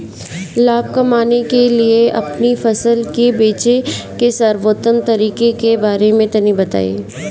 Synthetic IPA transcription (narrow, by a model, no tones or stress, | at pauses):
laːb̚kɐmaːnekelieʔɐpnifɐsəlkebeːt͡ʃekesɐɾʋoːt̪ənt̪ɐɾiːkekebaːɾemẽt̪ɐnibɐt̪a̰ːḛː